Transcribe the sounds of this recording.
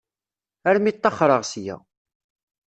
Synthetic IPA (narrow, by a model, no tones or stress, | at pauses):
æɾmit̪ˤːɑχɾˤəʁsjæ̰